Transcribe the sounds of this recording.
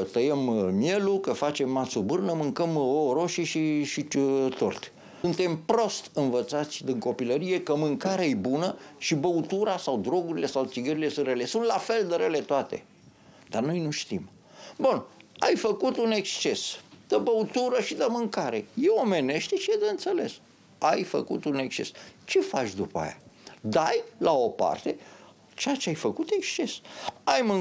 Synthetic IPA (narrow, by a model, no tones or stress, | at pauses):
kət̪əjemmje̞lukəfat͡ʃe̞mːasubɨrnəmɨŋkəmoɾo̞ʃiʃiʃit̪ort̪ʲ | ɨnt̪e̞mpɾo̞st̪ɨnvət̪sat̪sʲd̪iŋko̞piləɾije̞kəmɨŋkaɾeejbunəʃibəut̪uɾasawd̪ɾo̞ɡuɾile̞sawt̪siɡəɾile̞sɨnrele̞sunt̪lafe̞ld̪əɾele̞t̪oat̪e̞̰ | d̪arno̞jnuʃt̪im | bunajfəkut̪une̞kst͡ʃe̞sd̪̥əbəut̪uɾəʃid̪əmɨŋkaɾe̞̰jewome̞ne̞ʃt̪eʃijed̪eɨnt̪sele̞s | ajfə̰kṵt̪une̞kst͡ʃe̞̰st͡ʃe̞fat͡ʃʲd̪upəa̰ja̰d̪ajlao̞pa̰rt̪e̞ | t͡ʃejat͡ʃeajfəkut̪e̞kst͡ʃe̞sajmɨ